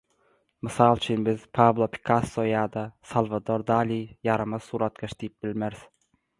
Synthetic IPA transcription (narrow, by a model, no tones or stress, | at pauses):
mɨsɑːlˠt͡ʃʰynbɪzpʰɑblˠopʰi̥kʰɑsːojɑːd̪ɑsɑlˠvɑd̪oɾd̪ɑːlijɑɾɑmɑsuːɾɑt̪̚ɡʲeʃd̪ijip̚bɪlmeɾɪz̥